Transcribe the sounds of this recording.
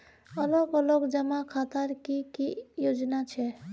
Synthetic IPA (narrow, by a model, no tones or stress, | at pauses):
ɔlokɔlokd͡ʒamakʰat̪aɾkikijod͡ʒnat͡ʃʰɛ